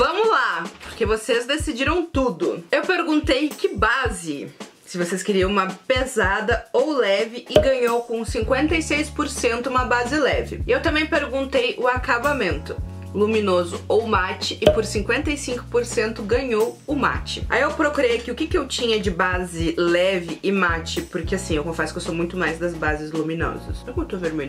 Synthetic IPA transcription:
vɐ̃mʊlapoɾkevosezd̪esid͡ʒiɾɐ̃w̃t̪ud̪ʊewpeɾɡũnt̪ejkɪbazɪ | sɪvoseskɪɾiɐ̃w̃ũmɐpezad̪ɐowlɛvɪʔɪɡɐ̃ɲowkõsĩŋkwẽnt̪ejsejspoɾsẽnt̪ʊũmɐbazɪlɛvɪ̰ɪewt̪ɐ̃mbẽj̃peɾɡũnt̪ejʔʊakabamẽnt̪ʊ | lumĩnozʊowmat͡ʃɪʔɪpoɾsĩŋkwẽnt̪ɐjsĩŋkʊ̥poɾsẽnt̪ʊɡɐ̃ɲowʊma̰t͡ʃɪa̰iewpɾokuɾejakiʊkɪkɪewt͡ʃĩɲɐd͡ʒɪbazɪlɛvɪʔɪmat͡ʃɪpoɾkɪasĩewkõfɛsʊ̥kɪewsomũj̃t̪ʊmajzd̪ɐzbazɪzlumĩnɔ̰zɐsekũt̪uveɾme

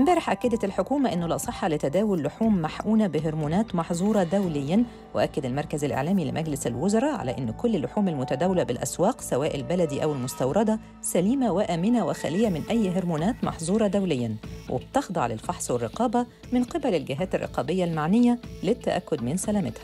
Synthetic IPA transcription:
mɪmbæːɾɪħʔækːæd̪æt̪ælħokuːmæʔɪnːʊlɑːsˤɨħːɑlɪt̪æd̪æːwʊlːʊħuːmːaħʔuːnabɪɦʊɾmuːnæːt̪mɑħzˤuːɾˤɑd̪æwlɪjːæn | wɪ̰ʔækːɪd̪ælmɑɾˤkæzɪlʔḛʕlæːmilɪ̰mʔæɡlɪsalwozɑɾˤɑːʕa̰læ̰ːʔɪnːkʊlːɪlːʊħuːmalmʊt̪æd̪æːwɪlæbɪlʔæ̰swɑːqsæwæːʔɪlbælæd̪iʔæwɪlmʊst̪ɑwɾˤɑd̪ɑ | sæliːmawɪʔæːmɪnæwɪxæ̰lɪjːæmɪnʔæjːɦeɾmuːnæːt̪mɑ̰ħzˤuːɾˤɑd̪æwlɪjːænwʔɪ̰b̚t̪ɑxd̪ˤɑʕlɪ̰lfɑħsˤwɪrˤːɪqɑːbæ | mɪnqɪbælɪlɡɪɦæːt̪ɪrˤːɪ̰qɑːbɪjːalmaʕnɪjːælɪt̪ːæ̰ʔæ̰kːʊd̪mɪnsælæːmɪt̪hæ̥

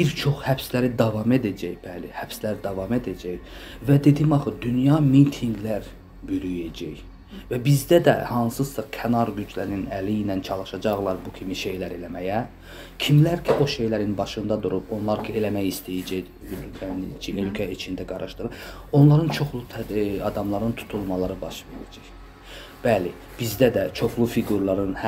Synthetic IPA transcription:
biɾt͡ʃʰo̞χhæbslæɾid̪ɑvɑme̞d̪æd͡ʒæjb̥ælihæb̥slæɾid̪ɑvɑme̞d̪æd͡ʒæj | væd̪e̞d̪imɑχɯd̪ynjɑmint̪ʰiŋɡlæɾ | byɾyjæd͡ʒæj | væbizd̪æd̪æ̰hɑnsɯsɑkʰænɑɾɡyd͡ʒlæɾininæliinænt͡ʃʰɑlˠɯʃɑd͡ʒɑɣlˠɑɾbucʰimiʃe̞jlæɾe̞læmæjæ | cʰimlæɾcʰiʔo̞ʃe̞jlæɾinbɑʃɯnd̪ɑd̪uɾubo̞nlˠɑɾcʰie̞læmæjist̪ʰæjæd͡ʒæj | ølkʰænit͡ʃʰiølcʰæit͡ʃʰind̪æɡɑɾɯʃt̪ɯɾɯ | o̞nlˠɑɾɯnt͡ʃʰo̞χlˠut̪ʰɑd̪ɑmlˠɑɾɯnt̪ʰu̥t̪ʰulˠmɑlˠɑɾɯbɑʃve̞ɾæ̰d͡ʒæj | b̥æli | b̥izd̪æd̪æt͡ʃʰo̞χlˠufiɡuɾlˠɑɾɯnh

